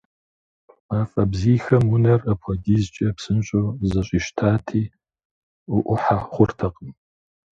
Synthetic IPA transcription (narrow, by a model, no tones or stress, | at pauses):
aːfʼɐbziːxɐmʊnɐrɐpʰɐdʲizt͡ʃʼɐpsɨnɕʼowzɐɕʼiːʃtʰaːtʰiː | ʊʔʷʊħaχʷʊrtʰɐqʼəm